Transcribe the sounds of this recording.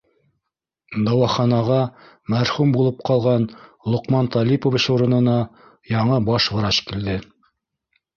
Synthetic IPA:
d̪ɑwɑχɑnɑʁɑ | mæɾχumbulˠɤp̚qɑlˠʁɑnlˠoqmɑnt̪ɑlʲipovɘ̆ʃuɾɤ̆nɤ̆nɑ | jɑɴɤbɑʃwɤ̆ɾɑʃkild̪ɘ

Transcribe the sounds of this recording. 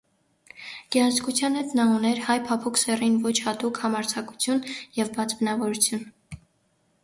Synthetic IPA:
ɡ̥ɛɑnzkut͡sʰjɑnhɛt̪nɑunɛɾhɑjpʰɑpʰuksɛrinvɔt͡ʃʰhɑt̪ukhɑmɑɾt͡sʰɑku̥t͡sʰjunjɛvbɑt͡sbənɑvɔɾut͡sʰjun

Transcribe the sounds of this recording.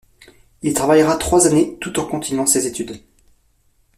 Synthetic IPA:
ilt̪χavajʁat̪χwazanet̪ut̪ɑ̃kɔ̃t̪ʰinɑ̃sezet̪yd̪

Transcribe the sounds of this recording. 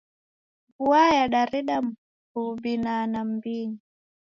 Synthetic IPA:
ɡuajaɗaɾiɗam̩ | hubinanambini

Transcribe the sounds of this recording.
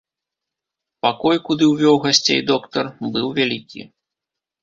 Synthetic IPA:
pakɔjkud̪ɨwvʲɔwɣasʲt͡sʲḛjd̪ɔkt̪ɐrbɨwvʲalʲikʲḭ

